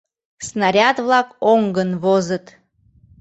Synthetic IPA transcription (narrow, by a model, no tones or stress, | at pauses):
snaɾʲat̪vlˠɑkoŋɡənvozət̪